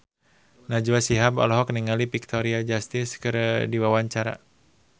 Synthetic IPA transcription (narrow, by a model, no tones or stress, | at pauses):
nad͡ʒuwasiɦabɔ̰lɔɦɔkniŋalipik̚t̪ʰɔɾiad͡ʒast̪ɪskɨɾdiwawaɲt͡ʃaɾa̰